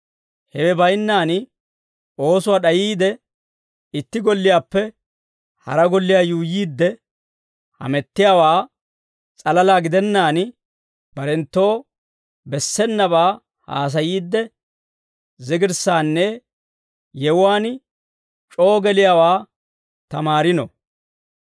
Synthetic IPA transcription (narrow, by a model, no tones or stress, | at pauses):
hɛwɛbɐjnːaːn | o̞ːsʊwaːɗɐjiːd̪ɛ | ɪt̪ːɪɡɔlːɪjaːpːɛ | hɐ̰ɾɐɡɔlːɪjaːjuːjiːd̪ːɛ | hɐ̰mɛt̪ːɪjaːwaː | t͡sʼɐlɐlaːɡɪd̪ɛnːaːn | b̥ɐɾɛnt̪ːo̞ː | bɛsːɛnːɐβaː | ha̰ːs̬ɐjiːd̪ːɛ | zɪɡɪɾsaːnːɛ | jɛwʊwaːn | t͡ʃʼo̞ːɡɛlɪjawaː | t̪ɐmaːɾɪnɔ̰